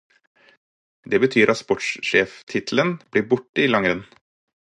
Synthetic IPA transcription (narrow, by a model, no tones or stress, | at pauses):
d̪eːbət̪ʰyːɾʔɑt̪spɔʈʃʃeːft̪ʰɪt̪ʰl̩ənb̥liːɾbʊʈəiːlɑŋɾən